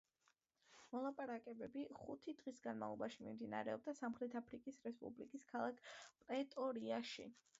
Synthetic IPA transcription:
mɔlˠapʼaɾakʼɛbɛbiχut̪ʰid̪ʁisɡanma̰vlˠɔbaʃimimd̪ina̰ɾɛɔb̚d̪asamχɾɛt̪ʰapʰɾikʼisɾɛspʼṵblḭkʼiskʰalˠakʰpʼɾɛt̪ʼɔɾiaʃḭ

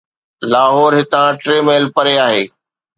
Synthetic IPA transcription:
laːɦɔːɾɦɪt̪ãːʈɾeːmeːlpɐɾeaːɦeː

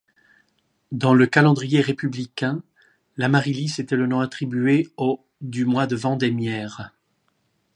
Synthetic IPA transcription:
d̪ɑ̃ləkalɑ̃d̪ʁijeʁepyblikʲɛ̃ | lamaʁiliset̪ɛlənɔ̃at̪χibyeo | d̪ymwad̪əvɑ̃d̪ɛmjɛːʁ

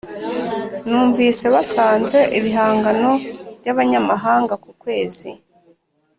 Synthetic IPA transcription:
nuːɱvise̞βasaːnze̞ʔiβiɦaːŋɡano̞βɟaβaɲamaɦaːŋɡakukwe̞ːzi

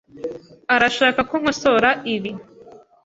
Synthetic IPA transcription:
aɾaʃaːkakoŋ̥hoso̞ɾaʔiβi

